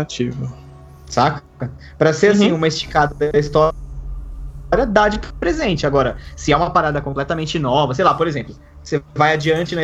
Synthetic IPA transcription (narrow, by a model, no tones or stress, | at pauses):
at͡ʃivɐ | sak | ɐ | pɾɐseɾasĩũmɐist͡ʃi̥kad̪ɐd̪ist̪ɔ | ɾjɐd̪ad͡ʒɪppɾezẽnt͡ʃɪaɡɔɾɐsɪɛũmɐpaɾad̪ɐkõplɛt̪ɐmẽnt͡ʃɪnɔvɐsejlapoɾezẽmplʊ | sevajad͡ʒiɐ̃nt͡ʃɪnɐ